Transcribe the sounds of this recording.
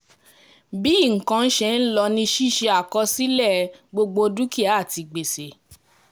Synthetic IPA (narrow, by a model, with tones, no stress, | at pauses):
bi˦˨ŋ̩˨kã˧n̩˦ʃɛ˧˨n̩˦lɔ˧nĩ˧˦ʃi˦˨ʃe˧a˨kɔ˧si˦lɛ˦˨ɡ͡bo˧ɡ͡bo˧du˦ki˦a˨˦˨ti˧ɡ͡be˨se˨